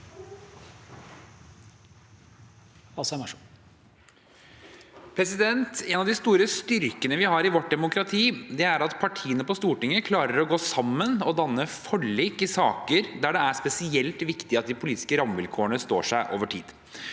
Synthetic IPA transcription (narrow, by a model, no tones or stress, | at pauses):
ɑsæmɑ | pʰɾɛsɪd̪ɛnt̪ɛnɑʋd̪ɪst̪uːɾəst̪ʏɾkənəʋɪhɑɾɪʋɔʈ̚d̪ɛmʊkɾɑt̪ʰiːd̪ɛæɾɑt̪pʰɑʈʰiːənəpɔst̪uːʈɪŋːəkʰlɑːɾəɾɔɡoːsɑmːənɔd̪ɑnːəfɔɭːiːkɪsɑːkəɾd̪æːɖɛæspɛsɪɛlt̪ʋɪkt̪ɪɑt̪̚d̪ɪpʰʊliːt̪ɪ̥skəɾɑmʋɪlkʰoːəɳəst̪oːʂæɪʔo̰ːʋəʈʰḭːd̪